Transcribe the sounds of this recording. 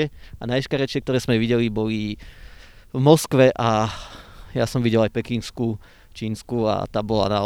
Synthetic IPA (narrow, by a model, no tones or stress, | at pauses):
ɛanajɛʃkaɾɛt͡ʃɪɛk̚t̪ɔɾɛːz̥mɛʋiɟɛlibɔli | vmɔskʋɛʔa | jasɔmʋiɟɛlajpɛkinsku | t͡ʃiːnskua̰t̪aːbɔla̰na